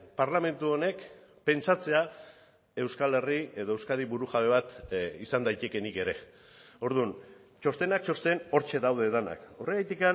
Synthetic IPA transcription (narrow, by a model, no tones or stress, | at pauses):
paɾlame̞nt̪uo̞ne̞k | pe̞nt͡sat͡se̞a | e̞wskale̞rie̞ðo̞ewskaðiβuɾuɣaβe̞β̞at̪isand̪ajt̪e̞ke̞nike̞ɾe̞ | o̞ɾðun | t͡ʃo̞st̪e̞nak̚t͡ʃo̞st̪e̞no̞ɾt͡ʃe̞ðawðe̞ðana̰kureajt̪ika